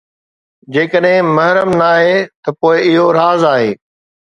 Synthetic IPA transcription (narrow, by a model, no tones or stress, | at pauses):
d͡ʑeːkəɗɦɪ̃mɐɦɾəmnaːɦet̪ɐpoːɪɪɦoɾaːzaːɦḛː